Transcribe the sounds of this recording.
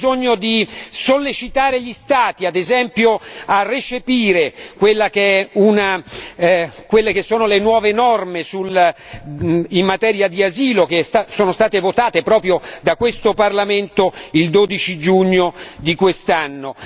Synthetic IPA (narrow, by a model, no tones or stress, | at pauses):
zoɲːod̪isolːet͡ʃit̪aːɾeʎist̪aːt̪iad̪ezɛmpjoarːet͡ʃepiːɾekwelːakeɛuna | kwelːekesːoːnolenwɔːvenɔrmesul | imːat̪ɛːɾjad̪iaziːlokesasoːnost̪aːt̪evot̪aːt̪epɾɔːpɾjod̪akwest̪oparlament̪oild̪oːd̪it͡ʃid͡ʒuɲːod̪ikwest̪anːo